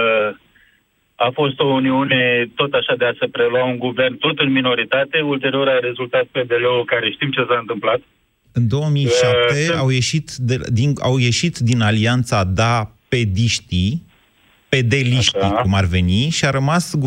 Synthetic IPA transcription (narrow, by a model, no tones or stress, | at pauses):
afo̞st̪o̞uniune̞t̪o̞t̪aʃad̪e̞ase̞pɾe̞luauŋɡuve̞rnt̪o̞t̪ɨnmino̞ɾit̪at̪e̞ult̪e̞ɾio̞ɾaɾe̞zult̪at̪̚ped̪e̞leokaɾeʃt̪imt͡ʃe̞saɨnt̪ɨmplat̪ | ɨnd̪o̞wəmiʃap̚t̪eawje̞ʃit̪d̪ed̪ina̰wje̞ʃit̪d̪inaliant̪sad̪ape̞d̪iʃt̪i | pe̞d̪e̞liʃt̪ikumarve̞niʃiaɾəmasɡu